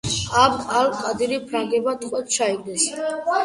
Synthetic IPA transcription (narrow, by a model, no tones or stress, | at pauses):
abalkʼad̪iɾipʰɾaŋɡɛbat̪ʰʼχʼwɛt̪t͡ʃʰaiɡlɛs